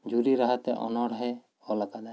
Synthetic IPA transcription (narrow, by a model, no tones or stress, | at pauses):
d͡ʒuɾiɾaɦat̪ɛ̰ʔɔ̰nɔɽɦɛ | ɔlakad̪a